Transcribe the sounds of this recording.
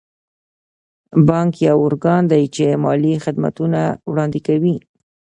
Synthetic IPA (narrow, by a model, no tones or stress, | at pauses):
bɑŋkjawʊɾɡɑnd̪ajt͡ʃemɑlixɪd̪ma̰t̪unawɽɑnd̪ɪkawi